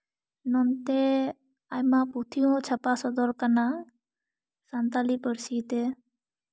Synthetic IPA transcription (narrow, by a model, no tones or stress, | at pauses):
nɔnt̪e | ajmaput̪ʰiõt͡ʃʰəpasɔd̪ɔlkana | sant̪alipəɾsit̪e